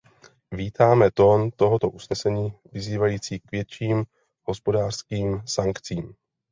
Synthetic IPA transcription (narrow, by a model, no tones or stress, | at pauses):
viːt̪aːmɛt̪o̞ːnt̪o̞ɦo̞t̪o̞ʔusnɛsɛɲiːvɪziːvajiːt͡siːkvjɛt͡ʃiːm | ho̞spo̞daːr̝̥skiːmsaŋkt͡siːm